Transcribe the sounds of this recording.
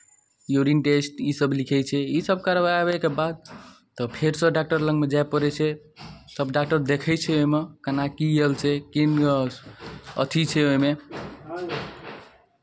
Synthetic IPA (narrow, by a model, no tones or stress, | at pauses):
juɾinʈesʈisəblikʰɛjt͡ʃʰɛisəb̚kaɾbajabəkebad̪̚ | t̪ɔpʰeɾsə̃ɖak̚ʈəɾlə̃ɡmed͡ʒajpəɾɛt͡ʃʰɛ | səbɖak̚ʈəɾd̪ekʰɛjt͡ʃʰɛoimekənakiɦelt͡ʃʰɛkin | ə̰t̪ʰit͡ʃʰɛoɦime